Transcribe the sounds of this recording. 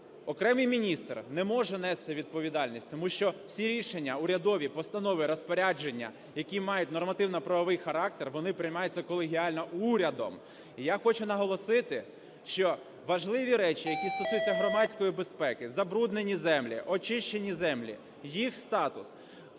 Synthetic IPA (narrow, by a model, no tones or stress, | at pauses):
ɔkɾɛmɪjmʲinʲist̪rnɛmɔʒɛnɛst̪ɪʋʲid̪̚pɔʋʲid̪ɑlʲnʲisʲtʲt̪ɔmuʃt͡ʃɔw̥sʲiɾʲiʃenʲːɐʊɾʲɐd̪ɔʋʲipɔst̪ɐnɔʋɪɾɔspɔɾʲad͡ʒenʲːɐ̰ | jɐkʲimɑjʊtʲnɔrmɐt̪ɪwnɐpɾɐʋɔʋɪjxɐɾɑk̚t̪erʋɔnɪpɾʲɪjmɑjʊt͡sʲːɐkɔlˠeɦʲiɑlʲnɔuɾʲɐd̪ɔ̰m | ijaxɔt͡ʃʊnɐɦɔlˠɔsɪt̪ɪ | ʃt͡ʃɔ | ʋɐʒlˠɪʋʲiɾɛt͡ʃijɐkʲist̪ɔsujʊt͡sʲːɐɦɾɔmɑt͡sʲkɔjibespɛkɪzɐbɾud̪ne̞nʲːizɛmlʲḭʔɔt͡ʃɪʃt͡ʃenʲizɛmlʲḭ | jixst̪ɑt̪ʊs